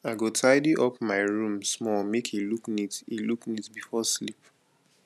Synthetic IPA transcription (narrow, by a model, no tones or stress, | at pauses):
aɪɡotʰaɪdiʔɔpmaɪɹũmsmɔlmekʰiluknitiluknitbifɔslip̚